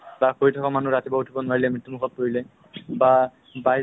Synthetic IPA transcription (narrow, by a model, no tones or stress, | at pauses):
bakoɹitʰɔkamanuɾat̪ibɔɦuʈʰibɔnaɹilɛmɹit̪ːumukɔt̪̚poɹilɛ | ba | baj